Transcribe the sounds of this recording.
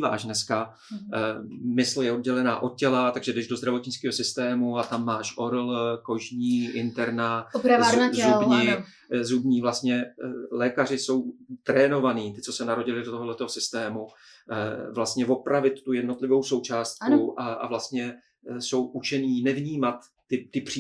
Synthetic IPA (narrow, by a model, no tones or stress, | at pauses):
va̰ːʃnɛska | mɪsljɛo̞d̚ɟɛlɛnaːʔo̞t̪̚cɛlat̪aɡʒɛdɛʒdo̞zd̪ɾavo̞t̪ɲɪt͡skiːɦo̞sɪst̪ɛːmuat̪amːaːʃʔo̞ɾlko̞ʒɲiːʔɪnt̪ɛɾnapɾaazubɲi | zubɲiːvlast̪ɲɛlɛːkar̝ɪso̞wt̪ɾɛːno̞vaniːt̪ɪt͡so̞sɛnaɾo̞ɟɪlɪdot̪oɦdlɛt̪oɦosɪst̪ɛːmu | vlast̪ɲɛvo̞pɾavɪt̪ːujɛdnot̪lɪvo̞wso̞wt͡ʃaːst̪̚knuaʔa̰vlast̪ɲɛ | so̞wʔut͡ʃɛniːnɛvɲiːmat̪ːɪt̪ɪpr̥i